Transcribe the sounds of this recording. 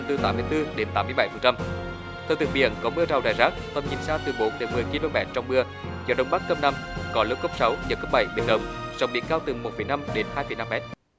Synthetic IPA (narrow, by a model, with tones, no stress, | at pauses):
t̪ɨ˨˩t̪aː˨˦mːɨ˧əjt̪ɨ˧ɗe˨˦nt̪aː˨˦mɨ˧jɓa˧˩jfə˨˩nt͡ɕa˧m | t̪ʰɛː˧˩wt̪ɨ˨˩ŋɓḭ˧˨ənkɔ˨˦mɨ˧ət͡ɕa˨˩wɗaː˨˩jzaː˦˥k̚t̪ə˨˩mɲḭ˨˩nsaː˧t̪ɨ˨˩ɓo˨˦nt̪e˨˦mɨ˨˩əjki˧lə˧mɓɛ̰ː˧˩nt͡ɕɔ˧wŋ͡mmɨ˧ə | zɔ˧˦ɗə˧wŋ͡mɓa˦˥kkə˧p̚na˧mkɔ˨˦lə˨˦˥kːo˦˥p̚sa˨˦wɲə̰˨˩kə˦˥p̚ɓa˧˩jɓḛ˧˩nɗə˨˧˩wŋ͡mzɔ̰˨wŋ͡mɓḭ˧˥əŋkaː˧wt̪ɨ˨˩mo˨˩t̚fə˨˩jna˧mɗe˨˦nhaː˧jfə˨˩jna˧mːɛ˦˥t̚